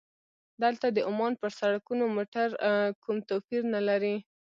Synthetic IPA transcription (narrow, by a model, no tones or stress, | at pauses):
d̪aalt̪ad̪əʔʊmɑnpəɾsaɽakunomoʈaɾkumt̪opiɾnalaɾi